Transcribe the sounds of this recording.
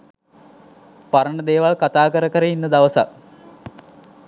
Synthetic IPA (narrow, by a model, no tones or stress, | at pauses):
paɾəɳəd̪eːʋalkat̪aːkəɾəkəɾəinːəd̪aʋəsa̰k